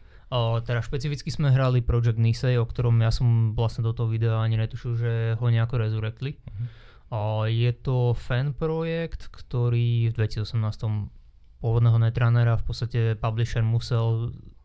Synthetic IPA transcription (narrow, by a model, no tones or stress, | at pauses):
t̪ɛɾaʃpɛt͡sifit͡skizmɛɦɾalipɾɔd͡ʒɛɡ̪̚nisɛjɔkt̪ɔɾɔmjasɔmʋlasɲɛd̪ɔt̪ɔɦɔʋid̪ɛaaɲiɲɛt̪uʃilʒɛɦɔɲɛakɔɾɛzuɾɛkt̪li | jɛt̪ɔfɛnpɾɔjɛkt̪kt̪ɔɾiːvd̪ʋɛcisiɔsɛmnaːst̪ɔm | pʊɔʋɔd̪nɛːɦɔnɛt̪ɾanɛɾafpɔt͡sst̪acɛpabliʃɛɾmusɛl